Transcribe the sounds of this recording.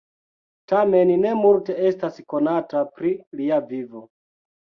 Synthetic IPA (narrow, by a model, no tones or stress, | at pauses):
tame̞nine̞multe̞e̞stasko̞natapɾiliavivo